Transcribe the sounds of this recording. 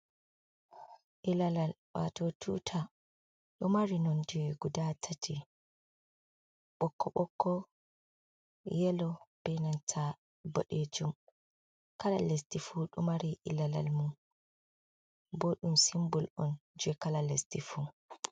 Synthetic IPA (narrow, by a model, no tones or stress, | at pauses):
ʔilalalwa̰totʰṵtʰa | ɗɔmaɾinɔnd͡ʒɛɡudatʰatʰi | ɓɔkːɔɓɔkːɔ | jɛlɔb̥ɛjnantʰa | bo̰ɗed͡ʒum | kala̰lestifuɗumaɾiʔilala̰lmum | boɗumsimbulɔnd͡ʒɛkalalestifu